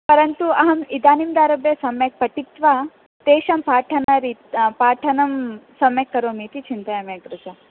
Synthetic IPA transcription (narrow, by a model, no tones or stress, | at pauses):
pɐɾɐnt̪uɐɦɐmid̪aːnimd̪aːɾɐbjɐsɐmjɐk̚pɐʈit̪ʋaː | t̪eːʃɐmpaːʈʰɐnɐɾipaːʈʰɐnɐmsɐmjɐkːɐɾoːmiːt̪it͡ʃʰint̪ɐjɐmjɐɡɾud͡ʒɐ